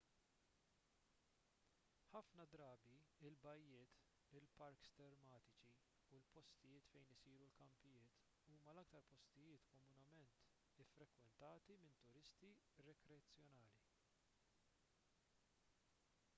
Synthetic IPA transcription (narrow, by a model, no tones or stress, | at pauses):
ħɐfnɐd̪ɾɐːbiɪlbɐjːɪːt̪ | ɪlpɐɾkst̪ɛɾmɐːt̪ɪt͡ʃi | ulpɔst̪ɪjɪːt̪fɛjnɪsiːɾulkɐmpɪjɪːt̪ | uːmɐlɐk̚t̪ɐɾpɔst̪ɪjɪːt̪kɔmʊnɐmɛnt̪ | ɪfːɾɛkwɛnt̪ɐːt̪imɪnt̪ʊɾɪst̪i | ɾɛkɾɛɐt͡sːjɔnɐːli